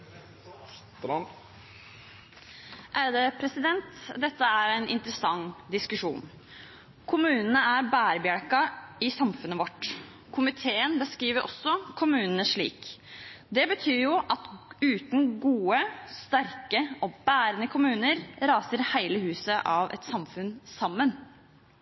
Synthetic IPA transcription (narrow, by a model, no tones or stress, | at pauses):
ʔæːɾd̪eːpʰɾɛsɪd̪ɛnt̪d̪ɛt̪ːəæɾɛɪnʔɪ̰nt̪ɾəsɑŋd̪ɪskʉʂṵːn | kʰʊmʉːnən̩əæɾbæːɾbjæɽkɑɪsɑmfʉnːəʋɔʈː | kʰʊmɪt̪ʰeːənbəskɾiːʋəɾʔɔ̰sːɔkʰʊmʉːnnəʂɭḭːkd̪ɛbət̪ʰyːɾjʊʔɑt̪ʉːt̪n̩ɡuːəst̪æɾkəɔbæːɾənəkʰʊmʉːnəɾɾɑːsəɾhæɪləhʉːsəʔɑʋɛ̰t̪sɑmfʉnsɑmːən